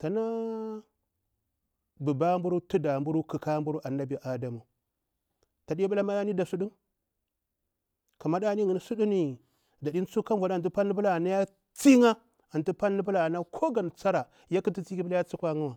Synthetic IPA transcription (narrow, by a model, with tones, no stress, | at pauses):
ta˨na˦ | bu˨ba˦mbu˦ɾu˦tu˦da˨mbu˦ɾu˦kə˨ka˦mbu˦ɾu˦ʔa˨na˦bi˨ʔa˨da˨mu˨ | ta˨di˦ba˦la˦ma˦a˦ni˦da˨su˦ɗu˦n | ka˨ma˦ɗa˦ni˦ŋi˨n˨su˦ɗu˦ni˨ | da˨di˦n˦t͡su˦ka˦m˨va˨dt̬u˦pa˦nː˦i˦bə˦la˨na˦ja˦ | t͡si˦ŋa˦ | a˨n˨tu˦pa˦nː˦i˦bu˦la˨na˦kʰo˦ɡa˨n˨t͡sa˦ɾa˨ | ja˦ki˦ti˦t͡si˦ki˦bi˦la˦ja˦t͡su˦kʷa˦ŋa˦wa˨